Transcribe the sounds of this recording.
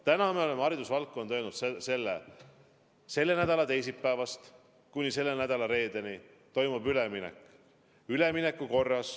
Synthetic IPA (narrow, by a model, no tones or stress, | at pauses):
t̪ænɑmeo̞le̞meɑɾid̪̥usvɑlt̪̚kːonojnud̪sese̞lːḛ | se̞lːe̞næd̪̥ɑlɑt̪e̞jsipːæːvɑst̪ | kunʲise̞lːe̞næd̪̥ɑlɑɾe̞ːd̪̥eni | t̪o̞jmubyleminḛkˑ | yle̞mine̞kːˑuko̞rːɑs